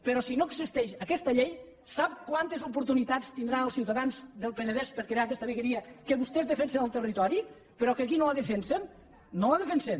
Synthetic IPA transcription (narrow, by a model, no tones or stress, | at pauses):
pəɾɔsinoeɡzist̪ɛʃəkɛst̪əʎej | sap̚kwant̪ezupuɾt̪unit̪at͡st̪ind̪ɾaəlˠsiwt̪aðanzd̪əlˠpenəðɛspəɾkɾeakɛst̪əβeɣəɾiəkəβust̪ɛzðəfɛnsenəlˠt̪ərit̪ɔɾi | pəɾɔkeəkinoləðəfɛnsen | noləðefensen